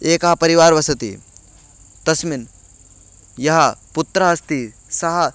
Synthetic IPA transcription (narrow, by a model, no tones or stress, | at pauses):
eːkɐɦɐpɐɾiʋaːɾʋɐsɐt̪ḭ | t̪ɐsmin | jɐɦɐpʊt̪ːɾɐɦɐst̪i | sɐɦɐ